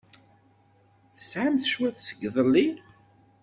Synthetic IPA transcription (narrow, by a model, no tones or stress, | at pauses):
θə̥sʕamθʃwæθsə̥ɡðˤəlːi